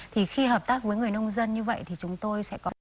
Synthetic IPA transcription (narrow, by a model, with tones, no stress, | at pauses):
t̪ʰi˨˩xi˧ɦəː˨˩p̚t̪aː˦˥k̚vəː˨˦jŋɨ˨˩əjnə˧wŋ͡mzə˧nɲɨ˧və̰˧˨jt̪ʰi˨˩t͡ɕʊ˨˦ŋ͡mt̪o˧jsɛ̰˧˥kɔ˨